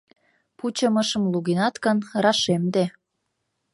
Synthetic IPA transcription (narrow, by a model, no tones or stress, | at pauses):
put͡ɕəməʃə̆mluɣinɑt̪kənɾɑʃemd̪e